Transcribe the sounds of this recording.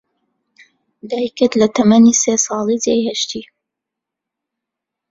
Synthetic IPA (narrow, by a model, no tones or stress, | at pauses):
d̪aːjkət̪lɐt̪ʰɐmɐniseːsɑːlˠidajhɐʃt̪ʰi